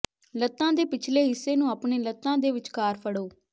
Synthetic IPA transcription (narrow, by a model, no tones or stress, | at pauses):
lət̪ːãːd̪eːpɪt͡ʃʰleːɦɪsːeːnũːaːpɳeːlət̪ːãːd̪eːʋɪt͡ʃkaːɾpʰəɽoː